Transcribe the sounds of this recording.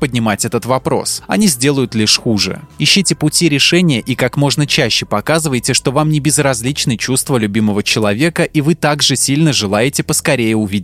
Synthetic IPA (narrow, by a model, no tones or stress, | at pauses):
pədʲnʲɪmatʲɛt̪ət̪vɐpɾo̞̰sɐnʲizʲdʲe̞lˠəjʊt̪lʲiʂxuʐɨ̰iɕːitʲɪpʊtʲiɾʲɪʂɛnʲɪjəʔikakmo̞ʐnət͡ɕæɕːɪpɐkazɨvəjɪtʲɪʂt̪o̞vamnʲɪbʲɪzrɐzʲlʲit͡ɕnɨjt͡ɕust̪vəlʲʉbʲiməvət͡ɕɪlˠɐvʲe̞kəʔivɨt̪aɡʐɨsʲilʲnəʐɨlˠajɪtʲɪpəskɐɾʲejɪʊvʲidʲɪ